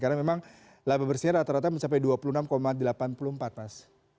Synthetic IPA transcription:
kaɾamemaŋ | lababərsiɲaɾat̪aɾat̪aməɲt͡ʃap̬ajduapulunamkomadəlapanpuluəmpat̪̚mas

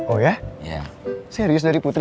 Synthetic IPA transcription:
ojaja̰seɾiʊs̬daɾiput̪ɾ

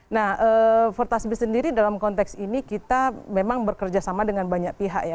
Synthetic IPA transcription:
nahəːfərt̪asbɪssəndiɾidalamkɔnt̪ɛksinikit̪amemaŋbərkərd͡ʒasamadəŋanbaɲak̚piɦa̰ʔja

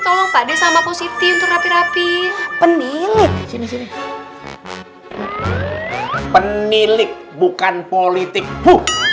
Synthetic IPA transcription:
t̪ɔlɔŋpadesamaposit̪iunt̪ʊk̚rapiɾapipənilɪk̚sinisini | pənilɪk̚ | bukanpolit̪ɪk̚hu

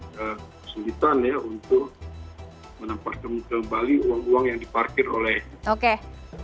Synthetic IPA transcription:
əkəsulit̪anjaunt̪ʊk̚ | mənampat̪̚kəmkəmbaliuaŋuwaŋjaŋdiparkɪrolɛhoke

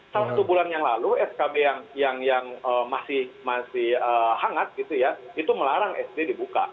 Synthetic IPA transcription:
salt̪ubulanjaŋlaluɛskabejaŋjaŋjaŋəmasɪhmasɪhəhaŋat̪̚ɡit̪ujait̪uməlaɾaŋʔɛ̰sdedibuka̰

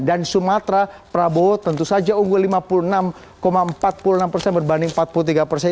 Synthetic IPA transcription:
ndansumat̪ɾapɾabot̪ənt̪usad͡ʒauŋɡulimapulunam | komaəmpat̪̚puluənampərsɛnbərbandɪŋmpat̪̚pulut̪̬iɡapərsɛ

